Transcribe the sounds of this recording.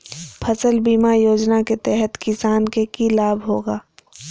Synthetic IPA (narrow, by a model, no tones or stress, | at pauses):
pʰɐsəlbiːmajoːd͡ʒnaket̪ɛɦɛt̪kɪsaːnkekilaːbɦoːɡaː